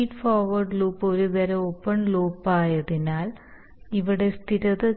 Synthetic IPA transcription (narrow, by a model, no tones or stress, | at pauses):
iːɖfoːrʋɐrɖluːpːo̞ɾud̪ɐɾɐoːpːɐɳloːpːaːjɐðinaːl | iʋiɽe̞st̪ʰiɾɐðɨ